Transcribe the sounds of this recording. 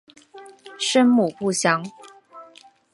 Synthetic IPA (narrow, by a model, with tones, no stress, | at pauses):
ʂə˥nmu˨˩pu˥˨ɕjɑ˥˦ŋ